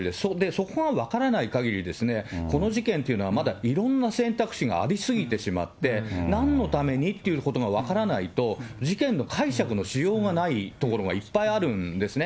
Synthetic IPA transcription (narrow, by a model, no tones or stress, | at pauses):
d̪esod̪e̞so̞ko̞ɡaβakaɾanaikaɡʲiɾʲid̪e̞sɨne̞ko̞no̞ʑikẽ̞nt̪e̞iɯ̟no̞βamad̪aiɾõ̞nːasẽ̞nt̪akɯ̟̥ɕiɡa̰ːɾʲisɨɡʲit̪e̞ɕima̰t̪ːe̞nãnːo̞t̪ame̞ɲ̟it̪ːe̞iɯ̟ko̞t̪oɡaβ̞akaɾanait̪o̞ʑikẽ̞nːo̞kʰaiɕakɯ̟no̞ɕijo̞ːɡanait̪oko̞ɾo̞ɡa̰ipːaiaɾɯ̟̃nd̪e̞sɨne̞